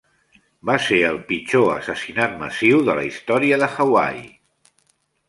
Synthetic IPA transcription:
baseəlˠpit͡ʃoəsəsinat̪̚mə̰siwðələ̰ist̪ɔɾiəðəxəwa̰j

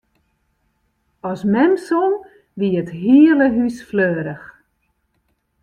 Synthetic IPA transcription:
ɔsmɛmson | ʋiətɦiələɦysfløːɾəx

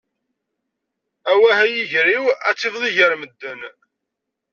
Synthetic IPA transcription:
æwæhæjiʝɾiwæ̰t͡sːivðˤiʝəɾməd̪ːən

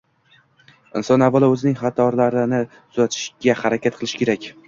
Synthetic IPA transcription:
ɪnsɒnavːalˠɪɵzɪnɪŋχɑt̪ʰɒɾlaɾɪnɪ | ʊzat̪ʰɪ̥ʃɡ̥ʲahaɾakʲʰat̪̚qʰɨlˠɪʃkʲʰe̞ɾakʲ

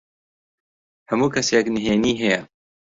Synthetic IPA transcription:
hɐmuːkʰɐseknɨɦeːniːɦɛjɛ

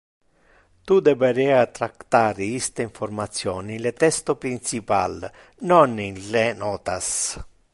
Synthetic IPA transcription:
t̪ud̪ɛbeɾɛːat̪ɾakt̪aːɾiist̪eiɱfoɾmat̪sːjɔːniilet̪ɛst̪opɾint͡ʃipa̰l | nɔninlenɔːt̪as

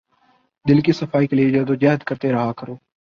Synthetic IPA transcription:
d̪ɪlkiːsəfʰaːiːkelied͡ʒəːd̪oːd͡ʒəɦəd̪kəɾt̪eɾəɦaːkəɾoː

